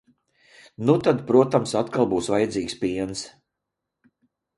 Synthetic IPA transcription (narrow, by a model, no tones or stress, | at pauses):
nut̪ad̪pɾuɔt̪amsat̪kalˠbuːsvajɛd̪ziːkspiɛns